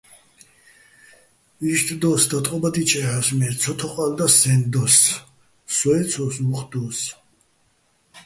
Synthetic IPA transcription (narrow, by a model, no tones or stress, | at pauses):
iʃt̪ʰʼd̪ɔsd̪at̪ʼqʼɔbad̪it͡ʃʼɛhasmɛɾsʰɔt̪ʰɔqʼald̪asɛnd̪ɔsː | ɔɛt̪sʰɔsuχd̪ɔs